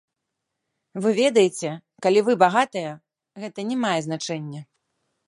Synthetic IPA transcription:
vɨvʲɛd̪ɐjet͡sʲɛ | kalʲivɨbaɣat̪ɐjɐ | ɣɛt̪ɐnʲɛmajɛzn̪at͡ʂɛnʲːɛ

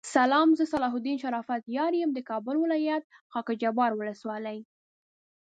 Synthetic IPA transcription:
salɑmzəsalɑɦʊd̪inʃaɾɑfat̪jɑɾijəmd̪əkɑbʊlwɪlɑjat̪̚ | xɑkad͡ʒabɑɾwʊləswɑləj

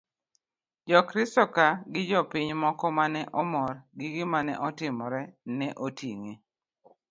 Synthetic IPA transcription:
d͡ʒɔkɾɪstɔkaɡɪd͡ʒɔpɪɲmɔkɔmanɛʔɔmɔrɡɪɡɪmanɛ̰ʔɔtɪmɔɾɛnɛʔotiŋi

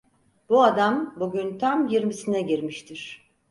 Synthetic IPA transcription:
buad̪ambuɟynt̪ʰamjiɾmisinɛɟiɾmiʃt̪ʰiɾ̥

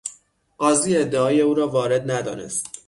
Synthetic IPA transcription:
ʔɒːziːe̞d̪ːeɒːje̞uːɾɒːvɒːɾe̞d̪̚næd̪ɒ̰ːne̞̰st̪

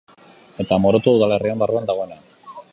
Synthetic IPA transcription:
e̞t̪amo̞ɾo̞t̪uuðale̞riembaruand̪aɣ̞o̞enean

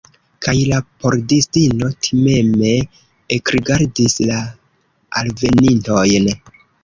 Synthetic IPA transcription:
kʰajlapo̞ɾdistino̞tʰime̞me̞ː | kɾiɡaɾdisla | alve̞ninto̞jn

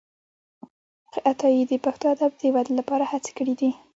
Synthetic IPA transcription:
qeʔat̪ɑjid̪əpaxt̪oad̪ab̚d̪əwad̪lapɑɾahat͡se̥kəɽid̪i

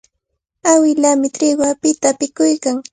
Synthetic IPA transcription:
awɪlamɪt̪ɾɪɢwapɪt̪apɪkʊjkaŋ

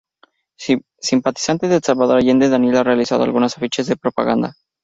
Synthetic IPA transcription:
simpat̪i̥sant̪eðelsaβaðoɾaʝend̪eðanjelarealisaðoa̰lɣunasafit͡ʃezðe̞pɾopa̰ɣand̪a̰

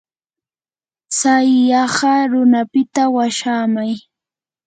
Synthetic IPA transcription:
sajːɑɢɑɾʊnapɪt̪awaʃaːmaj

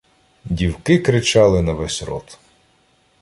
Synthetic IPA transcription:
dʲiwkɪkɾɪt͡ʃɑlˠɪnɐʋɛsʲɾɔ̰t̪

